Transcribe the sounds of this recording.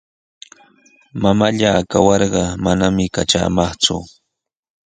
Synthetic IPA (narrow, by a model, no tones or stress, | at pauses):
mamaʎaːkawɑɾɢɑmanamɪkaʈ͡ʂa̰ːmɑχt͡sʊ̰